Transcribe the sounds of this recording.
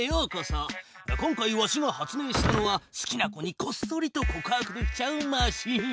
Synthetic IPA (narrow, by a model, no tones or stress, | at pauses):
ejokasakõ̞ŋkaiβaɕiɡahat͡sɨnẽ̞ːɕi̥t̪ano̞βasɨ̥kʲinako̞ɲ̟iko̞sɨ̥o̞ɾʲit̪o̞ko̞kaːkɯ̟d̪ekʲi̥t͡ɕaɯ̟maɕi